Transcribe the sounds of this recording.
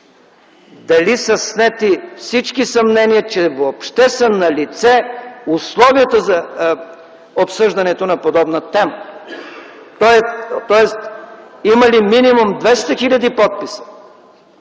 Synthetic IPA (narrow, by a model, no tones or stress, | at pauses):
d̪ɐlisɐsnɛt̪ifsit͡ʃkisɐmnɛniət͡ʃɛvoːpʃt̪ɛsənɐlit̪sɛʊslˠɔviət̪əzɐ | opsɤʒd̪ɐnɛt̪onɐpod̪ɔbnət̪ɛmə | t̪ɔɛt̪ɔɛst̪imɐliminimumd̪vɛst̪ɐxilʲɐd̪ipɔt̪̚pisə̥